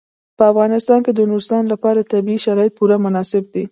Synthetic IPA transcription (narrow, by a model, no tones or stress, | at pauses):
pəafɣɑnɪst̪ɑnked̪ənuɾst̪ɑnlapɑɾat̪abiiʃaɾɑjɪt̪̚puɾamʊnɑsɪb̚d̪i